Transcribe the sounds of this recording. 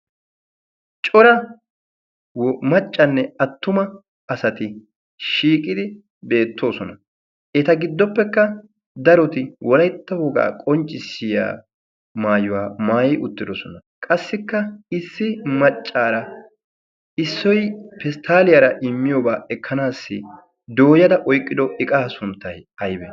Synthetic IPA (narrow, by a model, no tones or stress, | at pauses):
t͡ʃʼɔɾɐ | wmɐt͡ʃʼːɐnːɛɐt̪ːʊmɐ | ɐsɐt̪ɪ | ʃiːkʼɪd̪ɪ | be̞ːt̪ːo̞ːsɔnɐ | ʔɛt̪ɐɡɪd̪ːɔpːɛkːɐ | d̪ɐɾɔt̪ɪwɔlɐjt̪ːɐwɔɡa̰ːkʼɔnt͡ʃʼːɪsɪja̰ː | maːjʊwaːmaːjɛjʊt̪ːɪd̪ɔsɔnɐ | kʼɐsːɪkːɐɪsːɪmɐt͡ʃʼːaːɾɐ | ɪsːɔjpɛst̪ʰaːlɪjaɾɐʔɪmːɪjoːbaːɛkʰːɐnaːsːɪ | d̪o̞ːjɐd̪ɐʔɔjkʼːɪd̪ɔɪkʼaːsʊnt̪ːɐjɐjbɛ